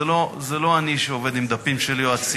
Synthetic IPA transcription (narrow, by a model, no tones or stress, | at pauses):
lo̞zelo̞aniʃeove̞d̪imd̪apimʃelioat͡s